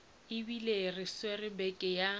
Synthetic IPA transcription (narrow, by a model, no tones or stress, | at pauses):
ɪbilerɪswerɪbɛkʼɪja